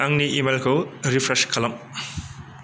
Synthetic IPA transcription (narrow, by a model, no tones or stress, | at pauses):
aŋniʔimelkʰowɾipʰɾeskʰɐlɐm